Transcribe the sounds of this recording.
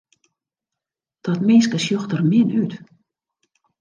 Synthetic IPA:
d̥ɔtmeːskəsjoxtərmɪnyt

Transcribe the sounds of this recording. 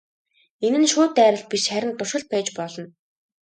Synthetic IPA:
enɘ̆nʃʊːt̪æːɾə̆ɬt̪̚piʃχæɾʲɪ̆nt̪ʊrʃə̆ɮt̪̚pæːt͡ɕpɔɮɞ̆n

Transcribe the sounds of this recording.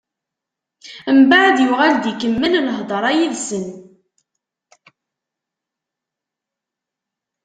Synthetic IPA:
mbaʕd̪jʊʁæld̪ikəmːənləɦðˤəɾˤæjiðsən

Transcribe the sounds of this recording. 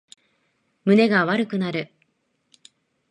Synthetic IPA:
mɯ̟ne̞ɡaβaɾɯ̟kɯ̟naɾɯ̟

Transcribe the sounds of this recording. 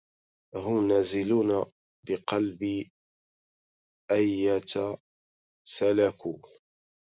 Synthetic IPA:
ɦʊmnazɪluːna | bɪqɑlbi | ʔajːat̪ | salakuː

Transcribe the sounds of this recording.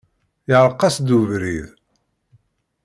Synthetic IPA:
ɪʕɾˤqːɑsd̪uvɾið

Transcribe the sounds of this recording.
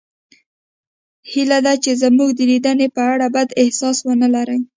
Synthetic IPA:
hilad̪at͡ʃezamuɡd̪əlid̪ənepəaɽabad̪ɪhsɑswənəlaɾəj

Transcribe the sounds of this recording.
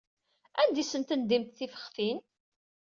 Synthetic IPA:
ænd̪isənt̪ənd̪imt̪θifə̥χfin

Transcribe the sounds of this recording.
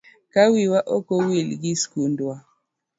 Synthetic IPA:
kawiwaʔokɔwilɡiskundwa

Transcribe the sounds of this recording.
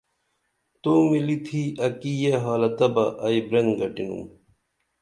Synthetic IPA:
t̪omilit̪ʰiɐkijeɦaːlɐt̪ɐbɐʔɐibɾenɡɐʈinṵm

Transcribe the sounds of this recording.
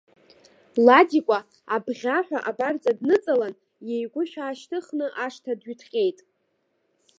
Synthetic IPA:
ladikʷʼa | abʁʲaħʷᶣa̰ʔabart͡sʼadnɨt͡sʼalan | jejɡʷʊʃᶣaːʃtʰɨχnɨʔaʂtʰadɥytʰχʲʼe̞jtʼ

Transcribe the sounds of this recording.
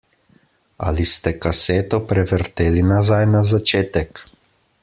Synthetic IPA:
a̰list̪ɛkaseːt̪ɔpɾɛʋəɾt̪eːlinazajnazat͡ʃeːt̪ɛk

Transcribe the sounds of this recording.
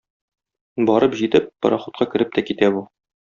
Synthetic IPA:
bɒɾɤpʑit̪ɘpːɒ̰ɾɑχŏt̪̚qɑkɘ̆ɾɘp̚t̪ækit̪æbu

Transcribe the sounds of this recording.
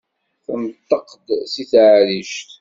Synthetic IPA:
θənt̪ːɑqd̪siθʕliʃt̪

